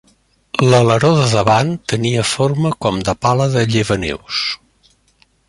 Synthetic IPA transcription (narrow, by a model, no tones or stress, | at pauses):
lələɾoðəðəβant̪əniəforməkɔmd̪əpaləðəʎəβənḛws